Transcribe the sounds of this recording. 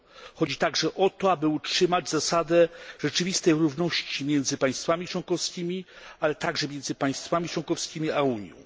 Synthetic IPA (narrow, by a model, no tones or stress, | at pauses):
xɔd͡ʑit̪aɡʐɛʔɔt̪ɔabɘutʂɘmad͡ʑzasad̪ɛʐɛt͡ʂɘvʲist̪ɛjɾuvnɔɕt͡ɕimʲjɛnd̪zɘpaj̃st̪famʲit͡ʂwɔŋkɔfskʲimʲi | alɛt̪aɡʐɛmʲjɛnd̪zɘpaj̃st̪famʲit͡ʂwɔ̃ŋkɔfskʲimʲiauɲjɔ̰̃w̃